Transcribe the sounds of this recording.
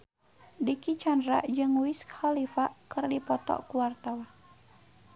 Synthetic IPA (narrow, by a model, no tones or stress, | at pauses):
dikit͡ʃandɾa̰ʔd͡ʒɨŋwiskhalifaʔkɨrdipɔt̪ɔ̰ʔkuwart̪awa